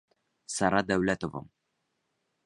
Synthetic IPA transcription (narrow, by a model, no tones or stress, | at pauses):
sɑɾɑd̪æwlæt̪ovɤ̰m